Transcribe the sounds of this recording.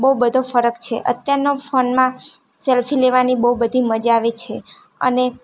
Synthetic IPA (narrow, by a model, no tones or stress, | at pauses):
bəubəd̪ʱofəɾəkt͡ʃʰḛʔə̰t̪jaɾnofonmã | selfileʋanibəubəd̪ʱiməd͡ʒaʋet͡ʃʰe | ə̰ne